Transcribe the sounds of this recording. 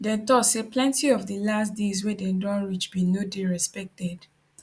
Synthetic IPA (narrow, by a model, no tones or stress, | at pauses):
dɛ̃ntɔtseplɛ̃ntiɔvdəlasdezwɛdɛdɔ̃nɹit͡ʃbinodeɹɛspɛk̚tɛd̥